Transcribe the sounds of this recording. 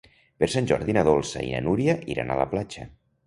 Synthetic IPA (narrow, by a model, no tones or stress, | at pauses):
peɾsanʲʒɔɾðinaðolˠsə̰ḭna̰nuɾiəʔiɾa̰nə̰ləplat͡ʃə